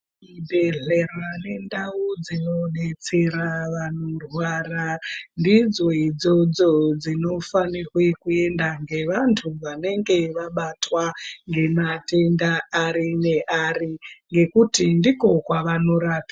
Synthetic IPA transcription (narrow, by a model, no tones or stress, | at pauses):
ibʱeɮerane̞ndaud͡zino̞ɗet͡se̞ɾaʋanorwarandid͡zoid͡zo̞d͡zo̞d͡zino̞fanirwe̞kue̞ndaŋɡe̞ʋantʰuʋane̞ŋɡe̞ʋaɓatwaŋɡe̞mate̞ndaːɾineʔariŋɡe̞kutindiko̞kwaʋano̞ɾaːpa